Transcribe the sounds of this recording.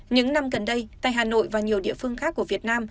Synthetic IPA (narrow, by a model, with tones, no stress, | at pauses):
ɲɨ̰˧˥ŋna˧mɣə˨˩nɗə˧jtt̪a̰ː˧˨jɦaː˨˩no̰˧˨jvaː˨˩ɲi˨˩əwɗḭ˧˨əfɨ˧əŋxaː˦˥k̚ːu˧˩əvi˨˩t̚naː˧m